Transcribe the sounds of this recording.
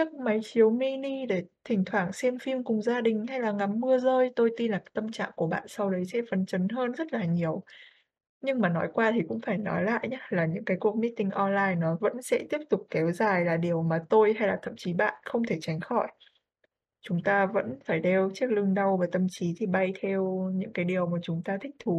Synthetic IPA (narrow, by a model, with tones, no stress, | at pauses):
t͡ɕɨ˦˥k̚ma˨˦jt͡ɕi˨˦əwmi˧ni˧ɗe˧˩t̪ʰï˨˩ŋ̟t̪ʰwaː˧˩ŋsɛ˧mfi˧mkʊ˨˩ŋ͡mzaː˧ɗï˨˩ŋ̟ha˧jlaː˨˩ŋa˨˦mːɨ˧əzəː˧jt̪o˧jt̪i˧nlaː˨˩t̪ə˧mt͡ɕa̰ː˧˨ŋku˧˩əɓa̰ː˧˨nsa˧wɗə˨˦jsɛ̰˧˥fə˨˦nt͡ɕə˨˦nɦəː˧nzə˦˥t̚laː˨˩ɲi˨˩əw | ɲɨ˧ŋmaː˨˩nɔ˨˦jkwaː˧t̪ʰi˨˩kʊ̰˧˥ŋ͡mfaː˧˩jnɔ̰˨˦jla̰ː˧˨jɲaː˦laː˨˩ɲɨ̰˧˥ŋkaː˨˦jku˨˩ək̚mi˦˥t̚t̪ï˧ŋʔɔ˧nlaː˧jnɔ˨˦və̰˧˥nsɛ̰˧˥t̪i˦˥əp̚t̪ʊ˨˩k͡p̚kɛ˨˦wzaː˨˩jlaː˨˩ɗi˨˩əwmaː˨˩t̪o˧jɦa˧jlaː˨˩t̪ʰə̰˧˨mt͡ɕi˨˦ɓa̰ː˧˨nxə˧wŋ͡mt̪ʰe˧˩t͡ɕa˨˦jŋ̟xɔ˧˩j | t͡ɕʊ˨˦ŋ͡mt̪aː˧və̰˧˥nfaː˧˩jɗe˧wt͡ɕi˦˥ək̚lɨ˧əŋɗə˧wvaː˨˩t̪ə˧˩mt͡ɕi˨˦t̪ʰi˨˩ɓa˧jt̪ʰɛ˧wɲɨ̰˧˥ŋkaː˨˦jɗi˨˩əwmaː˨˩t͡ɕʊ˨˦ŋ͡mt̪aː˧t̪ʰï˦˥k̟̚t̪ʰu˨˦